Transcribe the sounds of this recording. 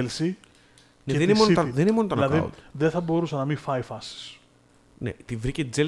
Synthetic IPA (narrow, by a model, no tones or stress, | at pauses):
elsi | neðenimot̪oðeninimonot̪onɐkɐ̰ṵðeθɐbo̞ɾusɐnɐmifɐjfɐsi̥s | nḛt̪ivɾicet̪id͡zel